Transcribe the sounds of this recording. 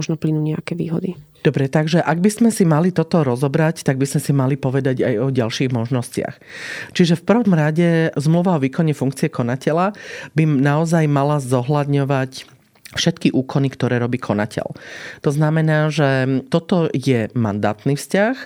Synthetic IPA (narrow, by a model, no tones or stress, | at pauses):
ɔʒnɔplinuːɲɛakɛːʋḭːɦɔ̰d̪i | d̪ɔbɾɛt̪aɡʒɛʔaɡ̚bizmɛsimalit̪ɔt̪ɔɾɔzɔbɾact̪aɡbizmɛsimalipɔʋɛd̪aɟa̰jɔɟalʃiːɣmɔʒnɔscɪa̰xt͡ʃiʒɛfpr̩ʋɔmɾaɟɛzmluʋaɔʋiːkɔɲɛfuŋkt͡siɛkɔnacɛlabinaɔzajmalazɔɦlad̪ɲɔʋac | fʃɛt̪kiʔuːkɔnikt̪ɔɾɛːɾɔbiːkʰɔna̰cʰɛ̰lt̪ɔznamɛnaːʒɛt̪ɔt̪ɔjɛma̰nd̪a̰ːt̪niːfscax